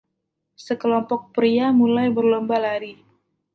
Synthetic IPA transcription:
səkəlɔmpɔk̚pɾiamulajbərlɔmbalaɾi

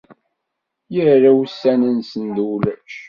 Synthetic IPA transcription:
jəɾːæwsːænənsənd̪ulæʃ

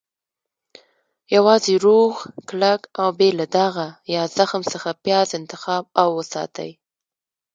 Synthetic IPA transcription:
jawɑzeɾoɣklakawbelad̪aɣajɑz̥axmsəxapjɑzɪnt̪ɪxɑb̚awːəsɑ̰t̪ə̰j

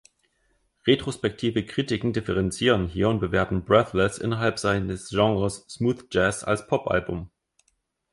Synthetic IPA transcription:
ʁetʁ̥ospɛk̚tʰiːvəkʁ̥iːtɪkŋ̩dɪfəʁɛnt͡siːʁ̞ənɦiːɐʊnt̚b̥əveːɐtm̩bʁɛθlɛsʔɪ̰nɐɦalpz̥aɪnəsʒ̥ɑŋʁəsːmuːθd͡ʒɛsa̰lspʰɔpʔa̰lbʊm

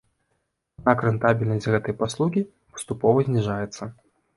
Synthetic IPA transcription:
ad̪̚nakɾɨnt̪abʲilʲnɐsʲtʲɣɛt̪ɐjpaslˠuɣʲi | pɐ̥st̪upɔvɐzʲnʲiʐajɛt̪sːɐ

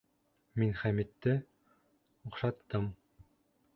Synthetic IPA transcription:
minχæmit̪ːɘ | uχʃɑt̪ːɤm

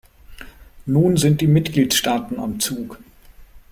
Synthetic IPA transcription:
nuːnzɪnt̚d̥iːmɪtɡ̥liːtʃtaːtn̩a̰mt͡suːk

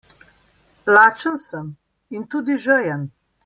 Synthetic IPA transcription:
laːt͡ʃənsəm | int̪uːd̪iʒəjəm

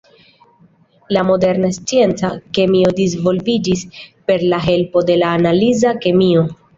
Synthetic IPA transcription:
lamo̞de̞ɾnast͡sie̞nt͡sake̞mio̞dizvo̞lvid͡ʒispe̞ɾlaɦe̞lpo̞de̞laːnalizake̞mio̞

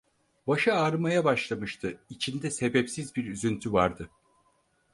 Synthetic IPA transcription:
baʃɯaɾɯmajabaʃlˠamɯʃt̪ʰɯit͡ʃʰind̪ɛse̞bɛpsizbiɾyzynt̪ʰyvaɾd̪ɯ

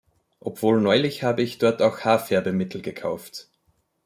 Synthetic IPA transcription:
ʔopv̥oːlnɔʏlɪçhaːbəɪçd̥ɔɐtaʊxhaːɐfɛɐbəmɪtʰl̩ɡəkʰa̰ʊft

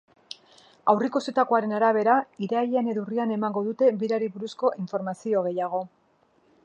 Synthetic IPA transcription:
awrikoset̪ako̞aɾe̞naɾaβ̞e̞ɾaiɾaʎene̞ðuriane̞maŋɡo̞ðut̪e̞βiɾaɾiβuɾusko̞ʔiɱfo̞ɾmasio̞ɣ̞e̞jaɣ̞o̞

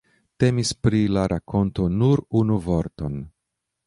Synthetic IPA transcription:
te̞mispɾilaɾʔakʰo̞nto̞nuɾunuvo̞ɾto̞n

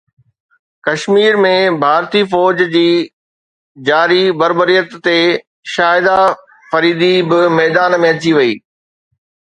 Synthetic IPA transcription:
kɐʃmiːɾmẽbʱaːɾt̪ifɔːd͡ʑd͡ʑiː | d͡ʑaːɾibɐɾbəɾijət̪ːe | ʃaːɪd̪a | fɐɾiːd̪ibɪmɛːd̪aːnmẽɐt͡ɕiʋɐḭː

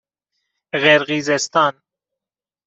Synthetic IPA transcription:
ɣɛɾɣizɛst̪ɑn

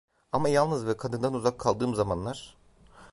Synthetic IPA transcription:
amajalˠnɯzvɛkʰad̪ɯnd̪anuzakʰːalˠd̪ɯːmzamanlˠaɾ̥

